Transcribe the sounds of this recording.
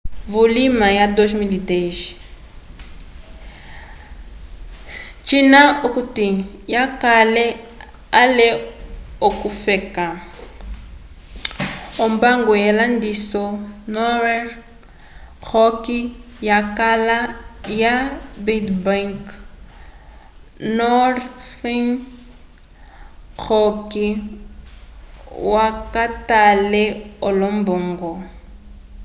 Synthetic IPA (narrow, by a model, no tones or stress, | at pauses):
vulimajadɔʃmilideʒ | t͡ʃinaukuti | jakalɛ | alɛokufɛka | ɔmbaŋɡɔjɛlandisɔnɔɾɛ | ɣʰɔki | jakalajabidbaŋk | nɔrθiŋ | k͡xʰɔki | wakatalɛɔlɔm̩bɔŋ̩ɡɔ